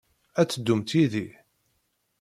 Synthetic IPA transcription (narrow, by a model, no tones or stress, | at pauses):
æt͡sːəd̪ːumt̪iði